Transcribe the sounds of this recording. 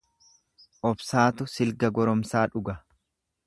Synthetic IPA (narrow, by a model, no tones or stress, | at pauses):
ʔɔbsaːt̪ʊsɪlɡɐɡɔɾɔmsaːᶑʊɡɐ